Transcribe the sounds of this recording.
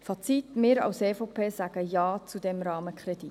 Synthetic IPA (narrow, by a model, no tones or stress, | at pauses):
fɑt͡sit̪mɪːɾɑ̰ʊseːfopʰeːsæɡ̥əjɑːt͡sudɛmɾɑːməkʰχrɛd̥i